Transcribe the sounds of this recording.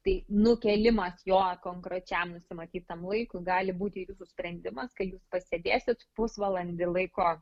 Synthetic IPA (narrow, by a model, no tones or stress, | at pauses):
t̪ɐɪnʊkʲɛlʲɪmɐsjoːkoːŋkɾot͡ʃʲɛmnʊsʲɪmɐt̪ʲiːtt̪ɐmlˠɐɪkʊɡɑːlʲɪbuːt̪ʲɪːʋʲɪsʊsʲpʲɾʲɛnʲd̪ʲɪmɐskɐtjuːspɐsʲɛd̪ʲeːsʲɪt̪pʊsʋɐlˠɐnʲd̪ʲɪlˠɐɪkoː